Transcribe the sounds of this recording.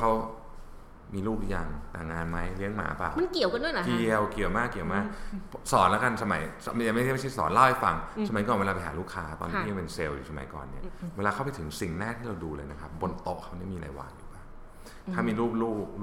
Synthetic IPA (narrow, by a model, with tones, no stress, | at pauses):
kʰa˦˥w | miː˧luː˥˩p̚ja˧ŋt̪a̰ː˨˩ŋːaː˧nma˦˥jli˦˥əŋma̰ː˨˦pa̰ː˨˩wma˧nki˨˩əwka˧ndu˥˩˨jna˦ki˨˩əwki˨˩əwmaː˥˩kːi˨˩əwmaː˥˩k̚pʰsɔː˨˩˦nlɛ˦˥ka˧nsa˧ma˨˩˦jsja˨˩ma˥˩jma˥˩t͡ɕʰjsɔ̰ː˦nla˥˩wa˧˩jfa̰˧ŋsa˧ma˨˩˦jkɔː˨˩nweː˧lːa˧pa˧jɦa̰ː˨˦luː˥˩kʰaː˦˥t̪ɔ̰˧nʰː˥˧˥a˧˨˩pe˧nse˧wjṵː˨˩sa˧ma̰˨˩˦jkɔ̰ː˨˩nːi˥ɐweː˧laː˧kʰa˦˥˩wpa˧jt̪ʰɯ˩˦ŋsi˨˩ŋnaː˥˩t̪ʰiː˥˩ɾa˧wduː˧lɤː˧jna˦˥kʰa˦˥p̚bo˧nt̪o˨˩k̚ʰːa˦˥wni˦˥ɐmiː˧la̰ː˨˦jwa̰ː˨˧˩ŋjṵː˨˩baː˧˩ŋʰ | aː˥˩miː˧ɾuː˥˩p̚luː˥˩p̚ː